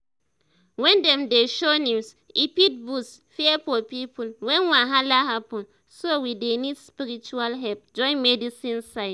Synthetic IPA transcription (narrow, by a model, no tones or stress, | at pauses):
wɛ̃ndɛmdeʃonĩs | ipit̚busfiɛfɔpipʰulwɛ̃nwãɦalaɦapɔ̃n | sowidenidspiɾit͡ʃualɦɛlp̚d͡ʒɔ̃ɪ̃nmɛdisĩnsaɪt